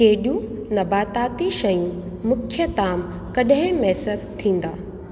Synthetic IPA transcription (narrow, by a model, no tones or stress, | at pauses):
keɦɗjũnɐbaːt̪aːt̪iʃɐjũmʊkʰjət̪aːm | kɐɗɦɪ̃mɛːsəd̪t̪ʰːĩːn̆d̪aː